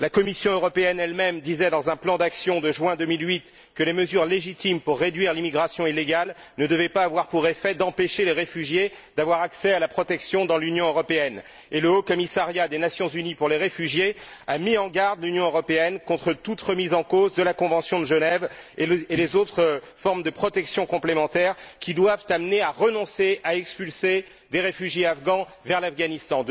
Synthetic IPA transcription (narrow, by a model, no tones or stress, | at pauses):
lakɔmisjɔ̃øʁɔpeɛnɛlmɛmd̪izɛd̪ɑ̃zɛ̃plɑ̃d̪aksjɔ̃d̪əʒwɛ̃d̪əmilɥit̪ | kəleməzyʁleʒit̪impuʁːed̪ɥiʁlimiɡʁasjɔ̃ilːeɡalnəd̪əvɛpaːvwaʁpuʁefɛd̪ɑ̃peʃeleʁefyʒje | d̪avwaʁaksɛalapχɔt̪ɛksjɔ̃d̪ɑ̃lynjɔ̃øʁɔpeɛn | eləokɔmisaʁjad̪enasjɔ̃zynipuʁleʁefyʒjeamiɑ̃ɡaʁd̪lynjɔ̃øʁɔpeɛnkɔ̃t̪χət̪ut̪ʁəmizɑ̃kozd̪əlakɔ̃vɑ̃sjɔ̃d̪əʒənɛvelezot̪χə | fɔʁmd̪əpχɔt̪ɛksjɔ̃kɔ̃plemɑ̃t̪ɛʁkʲid̪wavt̪amneaʁənɔ̃seaɛkspylse | d̪eʁefyʒjeafɡɑ̃ | vɛʁlafɡanist̪ɑ̃d̪